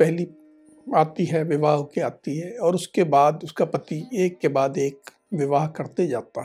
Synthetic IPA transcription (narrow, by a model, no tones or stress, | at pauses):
pɛɦli | aːt̪iɦɛʋɪʋaːɦkeaːt̪iɦɛɔːɾʊskebaːd̪ʊskapɐt̪ieːkːebaːd̪eːk | ʋɪʋaːɦkɐɾt̪ed͡ʒaːt̪aɦɛ